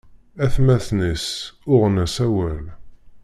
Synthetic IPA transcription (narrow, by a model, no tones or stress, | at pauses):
æθmæθnisʊʁnæsæwæl